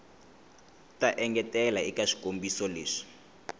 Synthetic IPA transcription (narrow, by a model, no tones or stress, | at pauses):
tʼaʔɛŋɡɛtʼɛlaikʼaʂi̥kʼombisɔleːʂi̥